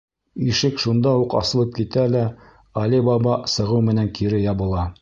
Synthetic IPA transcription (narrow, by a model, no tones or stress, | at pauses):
iʃɘkʃund̪ɑuqɑ̰sɤ̆lˠɤp̚kit̪ælæ | ɒlibɑbɑsɤ̆ʁɤwmɘ̆næŋkiɾɘjɑβɤ̆lˠɑ